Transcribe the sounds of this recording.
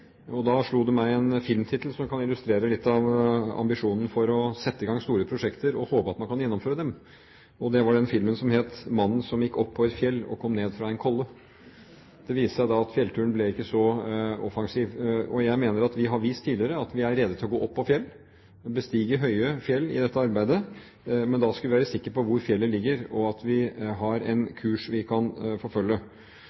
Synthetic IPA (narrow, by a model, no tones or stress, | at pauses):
ɔd̪ɑʂɭuːd̪ʉmæɪɛnfɪlmt̪ʰɪt̪l̩sɔmkʰɑnɪlʉst̪ɾeːɾəlɪt̪ːɑʋɑ̰mbɪʂuːnn̩fɔɾɔsɛt̪ːəɪɡɑŋst̪uːɾəpʰɾʊʂɛkt̪əɾɔhoːpəɑt̪̚mɑnkʰɑnjɛnːɔmføːɾəd̪ɛm | ɔd̪ɛʋɑɖɛnfɪlmənsɔmheːt̪mɑnːn̩sɔmjɪkːɔpʰːɔɛt̪fjɛlːɔ̰kʰɔmːneːd̪fɾɑɛɪnkʰɔlːə | d̪̥ɛʋiːsəʂæɪd̪ɑɑt̪fjɛlt̪ʰʉːənblɛɪkːəsɔɔfɑŋsiːʋɔjæɪmeːnəɾɑt̪ʋɪɦɑɾʋiːst̪ʰːiːd̪ɪəɾəɑt̪ʋɪæɾːɛd̪ːət̪ʰɪlɔɡoːʔɔpːɔfjɛlː | bəst̪iːɡəɦœʏəfjɛlːɪ̰d̪ɛt̪ːəɑɾbæɪd̪ə | mɛnd̪ɑskɑlʋɪʋæːɾəsɪkːəɾpɔʋʊɾfjɛlːəlɪɡːəɾɔɑt̪ʋɪɦɑɾɛ̰ɪnkʰʉːʂʋɪkʰɑnfɔɾfœlːə